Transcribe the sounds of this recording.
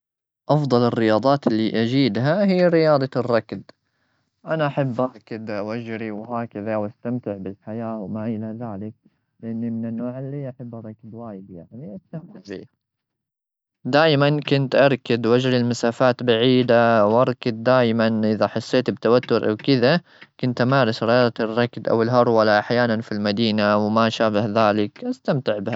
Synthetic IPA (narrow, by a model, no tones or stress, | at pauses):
ʔɑfd̪ˤɑlɪrːɪjɑːd̪ˤɑːt̪ɪlːiʔad͡ʒiːd̪ɦahiːɾɪjɑːd̪ˤɑrˤːɑkd̪ | ʔanaʔaħabːʔɑɾˤkad̪wʔad͡ʒɾiwɦaːkaðawʔast̪amt̪ɪʕbɪlħajaːwmaʔɪlaðaːlɪk̚ | lʔanːimɪnɪnːoːʕalːiːʔaħɪbːrˤːɑkd̪waːjɪd̪jaʕniʔast̪amt̪ɪʕbḭːha | d̪aːjmankʊnt̪ʔɑɾˤkad̪wad͡ʒɾilmasaːfaːt̪baʕiːd̪awʔɑɾˤkad̪ːaːjmanʔɪðaħɑsˤːeːt̪bt̪awat̪ːʊɾʔa̰wkɪða | kʊnt̪ʔamaːɾɪsɾɑɾt̪rˤːɑkd̪ʔa̰wɪlɦɑɾˤwalaʔaħjaːnanfilmad̪iːnawmaʃaːbahðaːlɪkʔast̪amt̪ɪʕbɪha